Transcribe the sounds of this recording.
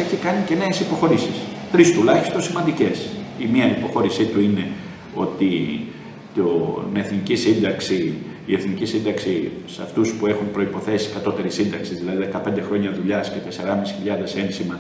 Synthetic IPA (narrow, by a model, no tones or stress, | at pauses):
eçikɐnice̞ne̞ːsipo̞xo̞ɾisist̪ɾist̪ulɐçist̪o̞nsimɐnd̪ice̞simiɐipo̞xo̞ɾisit̪uine̞ | o̞t̪i | t̪oneθnicisind̪ɐksiː | e̞θnicisind̪ɐksisɐ̰ft̪uspue̞xumpɾo̞ipo̞θe̞si̥kɐt̪o̞t̪e̞ɾisind̪ɐksizðilɐðiðe̞kɐpend̪e̞xɾo̞ɲɐðuʎɐscet̪e̞se̞ɾɐmisi̥çiʎɐðe̞sensimɐ